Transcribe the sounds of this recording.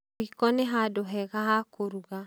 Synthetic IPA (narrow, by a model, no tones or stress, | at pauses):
ikɔnɛɦadoɦɛɣaɦakoɾuɡa